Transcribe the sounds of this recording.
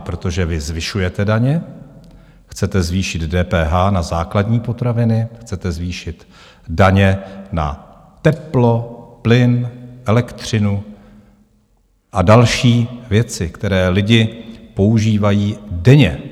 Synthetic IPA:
pɾo̞t̪o̞ʒɛvɪzvɪʃujɛt̪ɛdaɲɛ | xt͡sɛt̪ɛzviːʃɪd̪dɛːpɛːɦaːnazaːkladɲiːpo̞t̪ɾavɪnɪxt͡sɛt̪ɛzviːʃɪt̪ | daɲɛna̰ | t̪ɛplo̞plɪnʔɛlɛkt̪r̝̥ɪnu | ʔadalʃiːvjɛt͡sɪkt̪ɛɾɛːlɪɟɪpo̞uʒiːvajiːdɛɲɛ

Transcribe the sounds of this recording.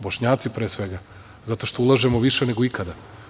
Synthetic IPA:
boʃɲaːt̪sipɾeːsʋe̞ɡa | zat̪o̞ʃt̪oulˠaʒemoʋiʃeneɡoikad̪a

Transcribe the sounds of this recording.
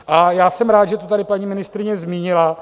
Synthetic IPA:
ʔajaːsɛmɾaːt̪ʒɛt̪ot̪adɪpaɲiːmɪnɪst̪ɾɪɲɛzmiːɲɪla

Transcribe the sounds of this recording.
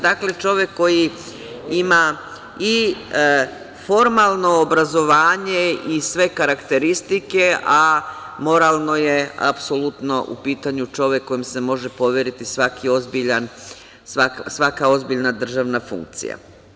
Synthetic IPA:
d̪akle̞t͡ʃo̞ʋjekːo̞ji | ima | i | fo̞ɾmalˠno̞ːbɾazo̞ʋaːɲeisʋe̞kaɾakt̪e̞ɾist̪ike̞ʔamo̞ɾalˠno̞je̞a̰pso̞lut̪no̞ʔṵpiːt̪aɲut͡ʃo̞ʋje̞kːo̞jimse̞mo̞ʒe̞po̞ʋeɾit̪isʋakʰio̞zbiʎan | sʋaksʋakao̞zbiʎnad̪r̩ʒaʋnafṵŋk̚t̪sḭja̰

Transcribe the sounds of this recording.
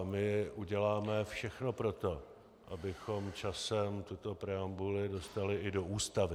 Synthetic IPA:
mɪʔuɟɛlaːmɛfʃɛxno̞pɾo̞t̪o̞ | ʔa̰bɪxo̞mt͡ʃasɛmt̪ʊt̪o̞pɾɛambulɪdo̞st̪alɪʔɪdoʔuːst̪avɪ

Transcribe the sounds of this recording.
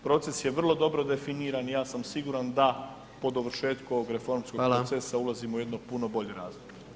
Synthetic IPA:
pɾo̞t̪se̞sje̞ʋr̩lˠo̞d̪o̞bɾo̞d̪e̞finiːɾanjaːsamsiɡuːɾand̪a | po̞d̪oʋr̩ʃe̞ːt̪kuo̞ʋo̞ɡɾe̞fo̞ɾmskopɾotsesaulˠaziːmouje̞d̪no̞puno̞bo̞ʎeɾaːzoɡe

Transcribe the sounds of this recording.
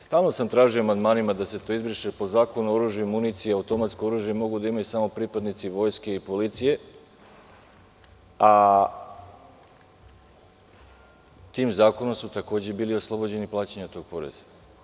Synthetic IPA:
st̪aːlˠno̞samt̪ɾaːʒijo̞amand̪maːnimad̪ase̞t̪o̞izbɾiʃepo̞zaːko̞nuoɾuʒjuimunit̪siaut̪o̞mat̪skooɾuʒje̞mo̞ɡud̪aimajusamo̞pɾipad̪nit̪siʋo̞ːjske̞ipo̞lit̪sije̞ | a | t̪iːmzaːko̞nomsut̪ako̞ːd͡ʑe̞biːlio̞slˠo̞bod͡ʑe̞niplˠaːt͡ɕeɲat̪o̞ːɡ̥̚po̞ɾḛzḁ

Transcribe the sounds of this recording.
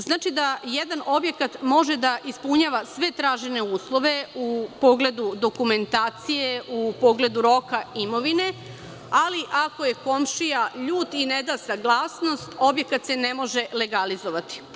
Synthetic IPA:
znaːt͡ʃid̪ajed̪anʔo̞bje̞kat̪mo̞ʒed̪aʔispuɲaːʋasʋe̞t̪ɾaːʒene̞uːslˠo̞ʋe̞upo̞ɡle̞d̪ud̪o̞kume̞nt̪aːt̪sijeʔupoɡle̞d̪uɾo̞kaimo̞ʋine̞ | aliʔako̞je̞ko̞mʃijaʎuːt̪ined̪asaɡlˠaːsno̞st̪o̞bje̞kat̪se̞nemo̞ʒe̞leɡalizoʋat̪i̥

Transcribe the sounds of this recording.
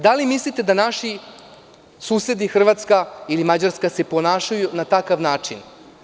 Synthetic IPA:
d̪alimislit̪ed̪anaʃi | suːse̞d̪ixr̩ʋat̪skailimad͡ʑaɾskase̞po̞naːʃajunat̪akaʋnaːt͡ʂin

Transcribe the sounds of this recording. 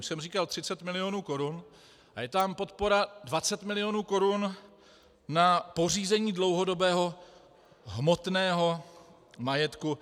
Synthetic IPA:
sɛmriːkalt̪r̥ɪt͡sɛt̪mɪlɪjo̞nuːko̞ɾʊn | ʔajɛt̪ampo̞t̪̚po̞ɾadvat͡sɛt̪mɪlɪjonuːko̞ɾʊnː | apo̞r̝iːzɛɲiːdlo̞wɦo̞do̞bɛːɦo̞ | ɦmo̞t̪nɛːɦo̞ | majɛt̪ku

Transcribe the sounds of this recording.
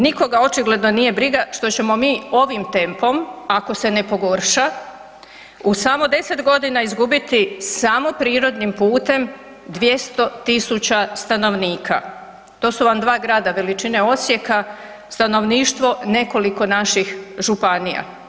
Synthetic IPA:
niko̞ɡao̞t͡ʃiɡle̞d̪no̞nije̞bɾiɡaʃt̪o̞t͡ɕe̞mo̞miːo̞ʋimt̪e̞mpo̞mako̞se̞ne̞po̞ɡo̞ɾʃa | usamo̞d̪e̞se̞t̪ɡo̞d̪inaizɡubit̪isamo̞pɾiːɾo̞d̪nimpuːt̪e̞m | d̪ʋje̞st̪o̞t̪isut͡ɕast̪ano̞ʋniːkʰa | t̪o̞ːsuʋamd̪ʋaːɡɾaːd̪aʋe̞lit͡ʃine̞o̞t̪sje̞ka | st̪ano̞ʋniːʃt̪ʋo̞ne̞ko̞liko̞naʃixʒupanija̰

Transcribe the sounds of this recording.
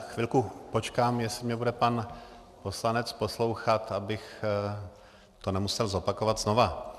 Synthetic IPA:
xvɪlkupo̞t͡ʃkaːmjɛsɪmɲɛbudɛpan | po̞slanɛt͡spo̞slo̞wxat̪abɪx | t̪onɛmusɛlzo̞pako̞vat̪zno̞va

